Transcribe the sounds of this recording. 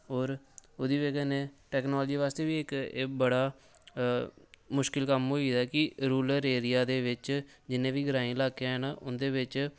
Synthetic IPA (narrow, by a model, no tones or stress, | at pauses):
ɦoːɾ | ʊd̪iːʋeːkɛːneːʈɛːknɔːld͡ʒiːʋaːst̪eːʋiːɪkbəɽaː | mʊʃkɪlkəmɦoːid̪ɛːkɪɾuːləɾeːɾɪjaːd̪eːʋɪt͡ʃd͡ʒɪnẽːʋiːɡəɾaːĩːlaːkeãɦɛnaʔʊnd̪eːʋɪt͡ʃ